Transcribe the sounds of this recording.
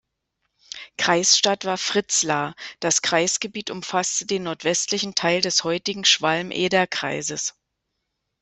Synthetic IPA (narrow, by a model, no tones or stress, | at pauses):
kʁ̥aɪsʃtatv̥aːɐfʁ̥ɪt͡slaːd̥askʁ̥aɪsɡ̥əbiːtʊmfastədeːnːɔɐtv̥ɛstlɪçn̩tʰaɪldɛshɔʏtɪɡŋ̩ʃv̥almʔḛːdɐkʁ̥a̰ɪzəs